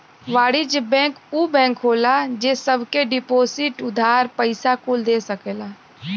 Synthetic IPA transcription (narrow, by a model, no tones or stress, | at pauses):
ʋaːɽid͡ʒbɛ̃ːŋkuːbɛ̃ːŋkɦoːlad͡ʒeːsəbkeɖɪpoːsɪʈʊd̪ʱaːɾpəɪsakuld̪eːsəkeːlaː